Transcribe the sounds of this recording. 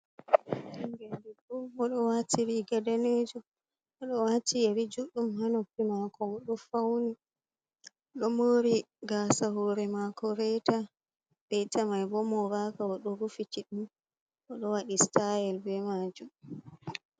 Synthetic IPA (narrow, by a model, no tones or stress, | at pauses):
nbɛdɛbɔmɔɗɔwatʰiɾiɡadaned͡ʒu | ɔɗɔwatieɾid͡ʒuɗumhanɔpːimakɔɔɗɔfawni | ɗɔmoɾiɡasahɔɾɛmakɔɾɛta | ɓɛtamajbɔmɔɾakaɔɗɔɾufit͡ʃiɗum | ʔɔɗɔwaɗistajɛlbɛmad͡ʒum